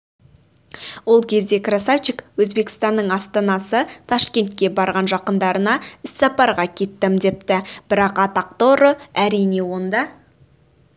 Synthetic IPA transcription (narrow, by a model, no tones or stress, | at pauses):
wo̞lˠkʲʰe̞zd̪e̞krasaft͡ʃikwɵzbe̞kʲɪ̥st̪ɑnːəɴɑst̪ɑnɑsət̪ʰɑʃkʲe̞nt̪̚kʲe̞bɑɾʁɑnʒɑqənd̪ɑɾənɑɪsːɑpɑɾʁɑkʲʰe̞t̪ːɪmd̪e̞p̚t̪ɪb̥ɪɾɑqɑt̪ɑq̚t̪o̞ɾəæɾijne̞wo̞nd̪ɑ